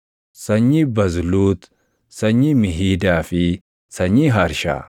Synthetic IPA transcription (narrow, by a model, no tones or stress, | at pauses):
sɐɲːibɐzluːt̪ | sɐɲːimɪɦid̪aːfi | sɐɲːiɦɐɾʃa̰ː